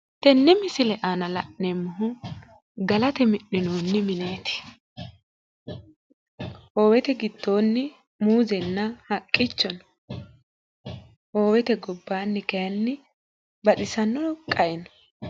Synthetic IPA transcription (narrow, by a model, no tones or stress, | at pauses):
t̪ɛnːɛmɪsɪlɛʔaːnɐlɐʔnɛmːʊɦʊ | ɡɐlɐt̪ɛmɪʔːɪnoːnːɪmɪneːt̪ɪ̥ | ho̞ːwɛt̪ɛɡɪd̪̥ːo̞ːnːɪ | muːzɛnːɐhɐkʼːɪt͡ʃːɔnɔ̥ | hoːwɛt̪ɛɡɔbːaːnːɪkɐjɐnːɪ | bɐɗɪsɐnːɔkʼɐjɛnɔ̥